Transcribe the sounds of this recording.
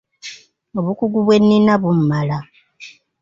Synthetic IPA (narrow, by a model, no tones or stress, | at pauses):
o̞βukuɡuβwe̞nːinːaβummala